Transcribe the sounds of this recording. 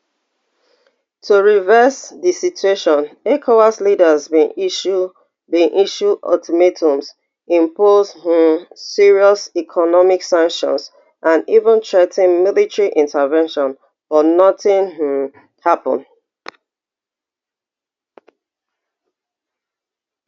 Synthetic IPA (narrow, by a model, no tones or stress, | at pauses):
tʰuɹivɛsðisitueʃɔ̃nekʰowaslidəzbĩn | bĩnʔiʃudɔ̰tʰɔmetʰũms | ĩmpozh̩siɹiɔsikʰɔnɔmiksãŋkʃɔ̰̃ns | ʔãnivə̃ntʰɹetĩnmilitɹiʔĩntʰəvɛ̃nʃɔ̃n | fɔnɔtĩnh̩ | hapɔ̃n